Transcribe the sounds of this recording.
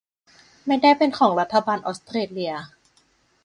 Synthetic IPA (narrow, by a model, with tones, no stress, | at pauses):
ma˥˩jdaː˥˩jpe˧nkʰɔː˩˦ŋɾa˦˥t̪ʰːa˧baː˧nʔɔː˦˥st̪ɾeː˧li˧ɐ